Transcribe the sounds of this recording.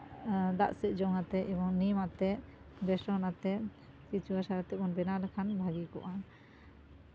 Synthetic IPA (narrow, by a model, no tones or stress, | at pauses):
d̪a̰ʔsɛʔ̪̚d͡ʒɔŋat̪ɛʔɛbɔŋnimat̪ɛʔ | bɛsɔnat̪ɛ | kit͡ʃʰuasaɾat̪ɛmɔnbɛnalɛkʰanbʱaɡikɔ̰ʔa